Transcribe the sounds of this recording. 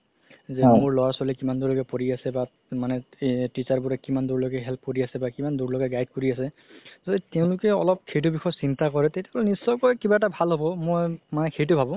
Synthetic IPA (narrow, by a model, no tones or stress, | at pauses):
zɛmʊɹlɔwaɹsalikimanduɹlɔɡɛpoɹiasɛba | manɛtit͡ʃaɹbʊɹɛkimanduɹlɔɡɛɦɛlp̚koɹiasɛbakimanduɹloɡɛɡajd̚koɹiasɛ | zoditɛʊ̃lʊkɛɔlɔp̚kʰejt̬ubixʰɔjsintakɔɹɛtetjaɡɔlɛnisːɔjkɔjkibaɛtabʱalɦobɔmojmanɛkʰejt̬ʊbʱabʊ̃